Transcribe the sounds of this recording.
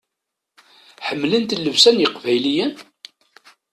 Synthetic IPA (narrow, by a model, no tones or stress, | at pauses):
ħəmːlənt̪lːəvsænjəqvæjlijən